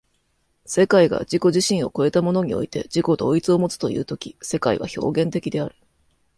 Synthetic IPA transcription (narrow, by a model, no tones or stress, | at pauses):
se̞kaiɡa̰d͡ʑiko̞ʑiɕĩɰ̃o̞ko̞e̞t̪amo̞no̞ɲ̟io̞̰it̪e̞d͡ʑiko̞d̪o̞ːit͡sɨo̞mo̞t͡sɨ̥t̪o̞jɯ̟ːt̪o̞kʲi̥se̞kaiβa̰ço̞̰ːɡẽ̞nt̪e̞kʲid̪e̞aɾɯ̟̥